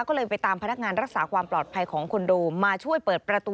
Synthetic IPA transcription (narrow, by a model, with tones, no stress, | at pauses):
kɔː˥˩lɤː˧jpa˧jt̪aː˧mpʰa˧na˦˥k̚ŋaː˧nɾa˦˥k̚saː˩˦kʰwaː˧mplɔː˨˩t̪̚pʰa˧jkʰɔː˩˦ŋkʰo˧nduː˧maː˧t͡ɕʰu˥˩əjpɤː˨˩t̪̚pɾa˧t̪uː˧